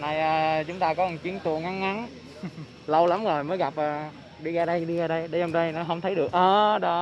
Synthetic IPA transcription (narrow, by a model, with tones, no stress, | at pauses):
na˧˩jʔaː˧˩t͡ɕʊ˨˦ŋ͡mt̪aː˧kɔ˨˦ə˨˩ŋt͡ɕi˨˦əŋt̪u˨˩əŋa˨˦ŋːa˨˦n | lə˧wla˨˦mzo˨˩jməː˨˦jɣa˨˩p̚ʔəː˨˩ | ɗi˧ɣaː˧ɗə˧jɗi˧ʔəː˧˩ɗə˧jɗə˨˧˩ɔ˧wŋ͡mɗə˧jnɔ˨˦ɦə˧wŋ͡mt̪ʰə˨˦jɗɨ˨˩ək̚ʔəː˨˩ɗɔ˧